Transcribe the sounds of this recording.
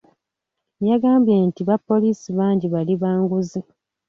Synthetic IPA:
jaɡaːmbjeːntiβapːo̞liːsiβaːɲɟiβaliβaːŋɡuzi

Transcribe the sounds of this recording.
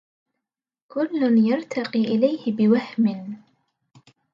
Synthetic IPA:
kʊlːʊnjɑɾˤt̪ʰɑqiːʔɪlajhɪbɪwahmɪn

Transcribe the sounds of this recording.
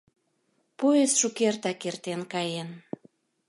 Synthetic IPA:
puesʃukert̪ɑkert̪enkɑjen

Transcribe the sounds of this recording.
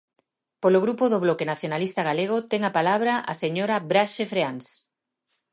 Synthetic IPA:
poloɣɾupoðoβ̞lɔkenaθjonalist̪aɣaleɣ̞ot̪ɛŋapalaβɾaʔa̰seɲoɾaβɾaʃefɾeans

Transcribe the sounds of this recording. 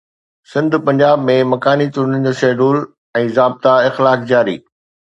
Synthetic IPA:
sɪ̃nd̪ʱpɐ̃ɲd͡ʑaːbmẽmɐkaːnit̪ʊɾnən̆d͡ʑoːʃeːɖuːl | ɛ̃ːzaːb̚t̪aɪxlaːkd͡ʑaːɾḭː

